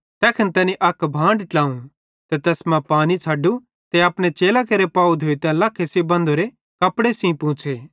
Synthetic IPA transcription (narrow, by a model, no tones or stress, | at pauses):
t̪ɛːkʰɐnt̪ɛːniʔɐkbʱãːɳɖʈlaːũ | t̪et̪ɛːsmãpaːnit͡sʰaːɖu | t̪eɐpɽ̃et͡ʃeːlakeɾepaːud̪ʱoːit̪ɛ̃lɐkʰesebɐ̃nd̪ʱoɾe | kɐpɽesĩpũːt͡ʃʰeː